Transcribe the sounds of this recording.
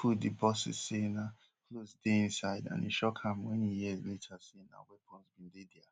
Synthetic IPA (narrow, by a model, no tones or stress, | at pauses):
fudibɔsɪ̰zsena | klosdeĩnsaɪdã̰nḭ̃ʃɔkʰãmwɛ̃nijizletʰasena̰wɛpʰɔ̃nzbĩndedɛa